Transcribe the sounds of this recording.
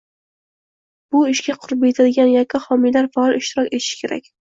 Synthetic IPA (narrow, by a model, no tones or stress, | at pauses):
b̥ʊɪʃɡʲaqʰʊɾɪp̚et̪ʰad̪ɪɡʲanjakʲʰːahɒmijlaɾfaɒlˠɪʃt̪ɪɾɒkʲe̞t̪ʰɪ̥ʃɪ̥kʲʰe̞ɾʔa̰kʲ